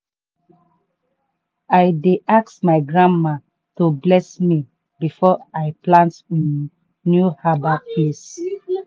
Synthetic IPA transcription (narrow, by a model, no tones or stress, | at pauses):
ajdeʔaksmaɪɡɹãnmã | tublɛsmi | bifɔaɪplãntĩn | njuhabaples